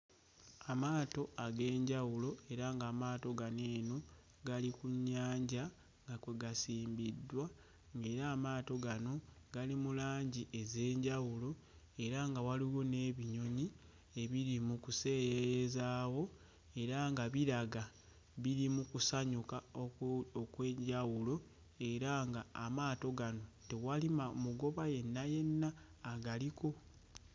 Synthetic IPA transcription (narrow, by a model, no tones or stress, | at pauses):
amaːto̞aɡe̞ːɲɟawulo̞e̞ɾaŋɡaːmaːto̞ɡaneːno̞ | ɡalikuɲːaːɲɟa | ŋɡakweɡasiːmbidːwa | ŋɡe̞ːɾaːmaːto̞ɡano̞ | ɡ̥alimulaːɲɟiʔe̞ze̞ːɲɟawulo̞ | e̞ɾaŋɡawaliwo̞ne̞ːβiɲo̞ɲi | e̞βiɾimukuse̞ːɾeɾezaːwo̞ | e̞ɾaŋɡaβiɾaɡa | βiɾimukusaɲukaookwe̞ːɲɟawulo̞ | e̞ɾaŋɡaːmaːto̞ɡano̞tewalimamuɡo̞βaje̞nːaje̞nːaː | ɡaliko̞